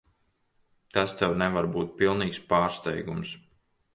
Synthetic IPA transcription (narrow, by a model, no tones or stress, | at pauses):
t̪ast̪ɛwnɛvaɾbuːt̪̚pilˠniːkspaːɾst̪ɛ̰jɡums